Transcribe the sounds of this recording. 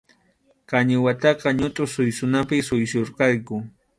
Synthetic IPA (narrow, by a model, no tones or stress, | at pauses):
kaɲɪwat̪ɑqɑɲʊt̪ʼʊsʊjsʊnapɪsʊjsoɾqɑjkʊ